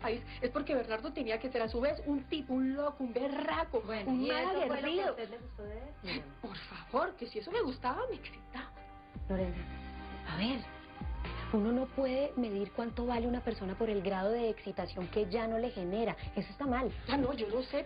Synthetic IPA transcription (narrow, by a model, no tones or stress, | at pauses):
pais | e̞spo̞ɾke̞βeɾnaɾd̪ot̪e̞niake̞se̞ɾasuβe̞sunt̪ipunlokumberakoeunmasaɣeɾd̪iðot̪eðleɣust̪oðeespo̞ɾfaβo̞ɾke̞sie̞so̞me̞ɣust̪aβameksi̥t̪aβa | lolendeaβe̞ɾ | uno̞no̞pwe̞ð̞e̞me̞ð̞iɾkwant̪o̞βaleunape̞ɾso̞napo̞ɾe̞lɡɾað̞o̞ðe̞ːksit̪asjo̞ŋke̞d͡ʒano̞le̞xe̞ne̞ɾaesoe̞st̪amalanod͡ʒo̞lose